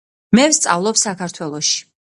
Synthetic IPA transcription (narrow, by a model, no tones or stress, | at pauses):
mɛvst̪sʼa̰vlˠɔpsakʰaɾt̪ʰwɛlˠɔʃi̥